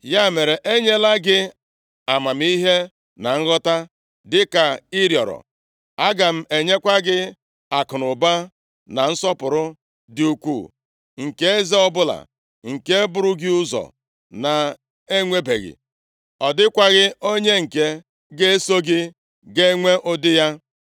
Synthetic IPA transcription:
ja˦˨me˨ɾe˨ʔe˦ɲe˦la˦ɡɪ˦ | a˨ma˨m̩˦i˦ɦe˦ | na˨ŋ̩˦ɣɔ˦ta˦ | dɪ˦ka˨i˦ɾjɔ̰˨ɾɔ̰˨ | a˦ɡa˨m̩˦e˨ɲe˦kʷa˦ɡɪ˦ | a˨kʊ˨nʊ˨ba˦ | na˨n̩˦sɔ˦pʊ˨ɾʊ˦ | dɪ˨u˨kʷṵ˦˨ | ŋ̩˨ke˦e˦ze˦ɔ˦bʊ˦la̰˨ | ŋ̩˨ke˦e˦bʊ˨ɾʊ˦ɡɪ˦ʊ˦zɔ̰˨ | na˨ | e˦ŋʷe˦be˨ɣɪ̰˨ | ɔ˨dɪ˦kʷa˦ɣɪ˦o˦ɲe˦ŋ̩˨ke˦ | ɡe˦e˦so˦ɡɪ˦ | ɡe˦ŋʷe˦ʔʊ˦dɪ˦ja˦

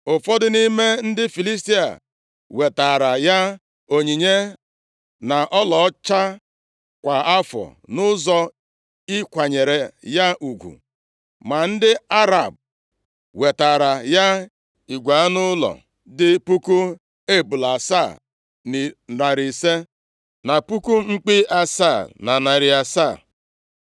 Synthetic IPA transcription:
ʊ˨fɔ˦dʊ˦ni˦me˦n̩˦dɪ˦fi˨li˦s̬ti˦a̰˨ | we˨ta˨ɾa˨ja˦ | o˨ɲi˨ɲe˦ | na˨ʔɔ˦lɔ˨˦t͡ʃa˦ | kʷa˨a˦fɔ̰˨nʊ˦zɔ˦ | i˦kʷa˨ɲe˨ɾe˨ja˦ʔu˨ɡʷṵ˨ | ma˨n̩˦dɪ˦a˦ɾa˨b̚ | we˨ta˨ɾa˨ja˦ | i˨ɡʷa˨a˦nʊ˦lɔ̰˨ | dɪ˦pu˦ku˦ | e˦˨bu˨la˨sa˦˨ | ni˨ɾa˨ɾi˨se˦ | na˨pu˦ku˦ŋ͡m̩˦k͡pi˦a˨sa˦˨na˨na˨ɾi˨a˨sa˦˨

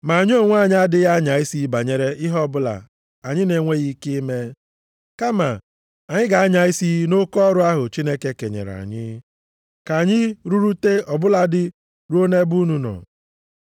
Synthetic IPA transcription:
ma˨ɲ˦o˦˨ŋʷ˦a˦˨ɲɪ˦a˦dɪ˦ɣa˦ɲa˨i˦si˦ba˨ɲe˨ɾe˦ʔɪ˦ɦɔ˦bʊ˦la̰˨ | a˨ɲɪ˦ne˨ŋʷe˦ɣi˦ke˦me˦ | ka˦ma˨ | a˨ɲɪ˦ɡa˨a˦ɲa˨i˦si˦no˦kɔ˦ɾʊ˦a˦ɦʊ˨t͡ʃi˦ne˦ke˦ke˨ɲḛ˨ɾa̰˨ɲɪ˦ | ka˨ɲɪ˦ɾu˦ɾu˦te˦ɔ˨bʊ˦la˦dɪ˦ | ɾu˦o˦ne˦bu˦nu˦nɔ̰˨

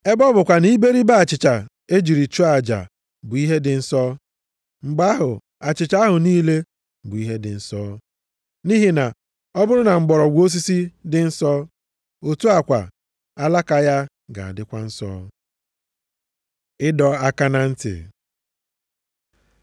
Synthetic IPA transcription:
e˦bɔ˦bʊ˨kʷa˨ni˦be˦ɾi˦ba˦a˨t͡ʃɪ˨t͡ʃa˨ | e˦d͡ʒi˨ɾi˨t͡ʃu˦a˨d͡ʒa̰˨ | bʊ˨i˦ɦe˦dɪ˨n̩˨sɔ˦ | ŋ͡m̩˨ɡ͡ba˦a˦ɦʊ˨ | a˨t͡ʃɪ˨t͡ʃa˦a˦ɦʊ˨niː˦le˦ | bʊ˨i˦ɦe˦dɪ̰˨n̩˨sɔː˦ | ni˦ɦi˦na˨ | ɔ˦bʊ˦ɾʊ˦na˨ŋ͡m̩˨ɡ͡bɔ˨ɾɔ˨ɡʷo˦s̬i˦si˦dɪ˨n̩˦sɔː˦ | o˨tu˦a˨kʷa̰˨ | a˦la˦ka˨ja˦ | ɡa̰˨a̰˨dɪ˦kʷa˦n̩˦sɔ̰ː˦ | ɪ˦dɔ˨a˦ka˦na˨n̩˦tɪ̰˨

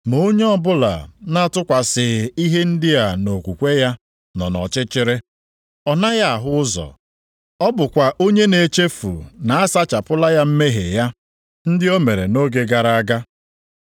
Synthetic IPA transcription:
mo˦ɲe˦ɔ˦bʊ˦la̰˨na˦˨tʊ˦kʷa˨sɪ˨i˦ɦe˦n̩˦dɪ˦ja˨no˨kʷu˨kʷe˦ja˦ | nɔ˨nɔ̰˨t͡ʃɪ˦t͡ʃɪ˦ɾɪ˦ | ɔ˨na˦ja˦a˨ɦʊ˦zɔ̰˨ | ɔ˦bʊ˨kʷa˨ʔo˦ɲe˦ne˨t͡ʃe˦fṵ˨na˨a˦sa˦t͡ʃa˨pʊ˦la˦ja˦m̩˦me˦ɦḛ˨ja˦ | n̩˦dɪ˦o˦me˨ɾe˨no˦ɡe˨ɡa˨ɾa˦a˦ɡa˦

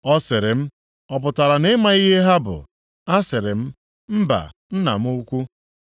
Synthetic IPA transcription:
ɔ˦sɪ˨ɾɪ˨m̩˦ | ɔ˨p̬ʊ˨ta˨ɾa˨ne˦ma˨i˦ɦe˦ɦa˦bʊ̰˨ | a˦sɪ˨ɾɪ˨m̩˦ | m̩˦ba̰˨n̩˦na̰˨m̩˦u˦kʷu˦

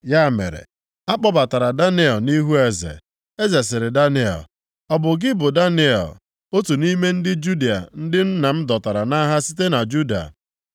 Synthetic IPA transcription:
ja˦˨mḛ˨ɾḛ˨ | a˦k͡pɔ˦ba˨ta˨ɾa˨da˦ne˦ɔ˨ni˦ɦu˦e˨zḛ˨ | e˦ze˨s̬ɪ˨ɾɪ˨da˦nɪ˦ɔ̰˨ | ɔ˨bʊ˨ɡɪ˦bʊ˨da˦ne˦ɔ̰˨ | o˦tu˨ni˦me˦n̩˦dɪ˦d͡ʒu˦di˨a̰˨n̩˦dɪ˦n̩˦na˨m̩˦dɔ˨ta˨ɾa˨na˦ɦa˦si˦te˦na˨d͡ʒu˦da̰˨

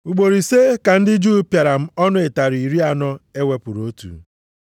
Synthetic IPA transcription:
u˨ɡ͡bo˨ɾi˨se˦ka˨n̩˦dɪ˦d͡ʒu˦pja˨ɾa˨m̩˦ɔ˦nʊ˦e˨ta˨ɾi˨ɾi˦a˦˨nɔ˦e˦we˦pʊ˨ɾo˦tṵ˨

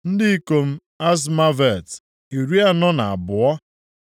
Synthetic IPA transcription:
n̩˦dɪ˦i˦ko˨m̩˦ | a˦z̬ma˦vɛ˨t | i˨ɾu˦a˦nɔ˦na˨a̰˨bʊ˨ɔ˦

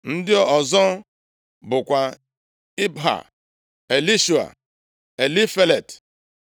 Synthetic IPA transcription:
n̩˦dɪ˦ɔ˨zɔ˦ | bʊ˨kʷa˨ | i˦bɦa̰˨ | e˨li˦ʃu˨a̰˨ | e˨li˦fe˦le˨t

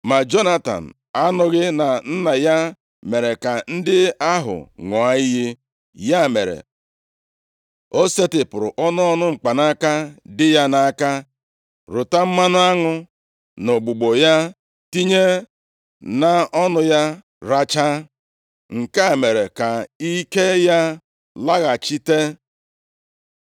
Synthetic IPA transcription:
ma˨d͡ʒo˦na˦ta̰˨n̩˨ | a˦nʊ˦ɣɪ˦na˨n̩˦na˨ja˦ | me˨ɾe˨ka˨n̩˦dɪ˦a˦ɦʊ̰˨ŋɔ˨a˦i˦ɦi˦ | ja˦˨me˨ɾḛ˨ | o˦se˦tɪ˨pʊ˨ɾʊ˨ʔɔ˦nʊ˦ɔ˦nʊ˦ŋ͡m̩˨k͡pa˨na˦ka˦dɪ˦ja˦na˨a˦ka˦ | ɾʊ˨ta˦m̩˦ma˦nʊ˦a˦ŋʊ˦ | no˨ɡ͡bu˨ɡ͡bo˨ja˦ | ti˦ɲe˦ | na˨ɔ˦nʊ˦ja˦ | ɾa˦t͡ʃa˦ | ŋ̩˨ka˦˨me˨ɾe˨ka˨i˦ke˦ja˦ | la˦ɣa˨t͡ʃi˦te˦

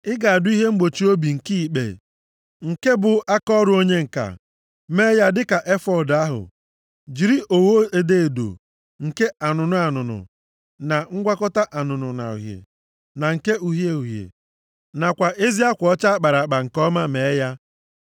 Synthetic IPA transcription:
ɪ˦ɡa˨a˨dʊ˦i˦ɦe˦ŋ͡m̩˦ɡ͡bo˨t͡ʃi˦o˦bi˨ŋ̩˨ki˦˨k͡pḛ˨ | ŋ̩˨ke˦bʊ˨a˦kɔ˦ɾʊ˨o˦ɲe˦ŋ̩˨ka̰˨ | me˦ja˦dɪ˦ka˨ʔe˦fɔ˦˨da˦ɦʊ̰˨ | d͡ʒi˨ɾi˦ʔo˨wo˦e˨de˦e˨do̰˨ | ŋ̩˨ke˦a˨nʊ˨nʊ˦a˨nʊ˨nʊ̰˨ | na˨ŋ̩˦ɡʷa˦kɔ˦ta˦ʔa˨nʊ˨nʊ̰˨na̰˨ṵ˨ɦjḛ˨ | na˨ŋ̩˨ke˦u˨ɦje˦u˨ɦjḛ˨ | na˨kʷa˨ʔe˦zi˦a˦kʷɔ˦t͡ʃa˦a˦k͡pa˨ɾa˨k͡pa˨ŋ̩˨kɔ˦ma˦me˨˦ja˦

